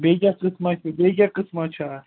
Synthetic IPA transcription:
beːɡakɨsmat͡ʃʰubeːɡakɨsmat͡ʃʰa

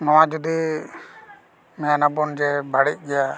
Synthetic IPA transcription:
nɔwãd͡ʒɔd̪i | mɛjanabɔnd͡ʒɛbaɽic̚ˀɡɛja

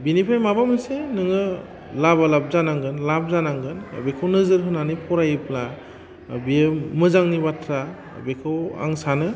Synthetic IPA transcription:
binipʰajmabamɯsenɯŋɯ | labalap̚zanaŋɡɯnlap̚zanaŋɡɯn̰bekʰawnɯzɯɾɦɯnanipʰɔɾajɯpla | bijemɯzaŋnibatʰɾa̰ | bekʰɯwa̰ŋsanɯ

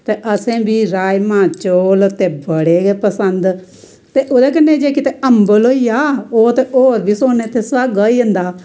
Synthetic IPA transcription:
t̪eːʔəsẽːbʱiːɾaːjmãːt͡ʃoːlt̪eːbəɽeːpəsənd̪ | t̪eːʔoːd̪eːk̬ənːẽːd͡ʒeːkɪt̪eʔəmbəloːijaːoːt̪eːʔoːɾbʱiːsoːnːeːt̪ʰeːsʋaɡəːiːɦənd̪aː

